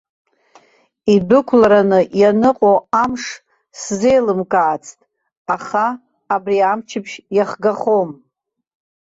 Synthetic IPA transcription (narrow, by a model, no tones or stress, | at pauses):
idʊkʷʰlaɾanɨjanɨqʼoamʂ | sze̞jlɨmkʼaːt͡sʰtʼ | aχaː | briamt͡ʃʰɪpʰʃjaχɡaχom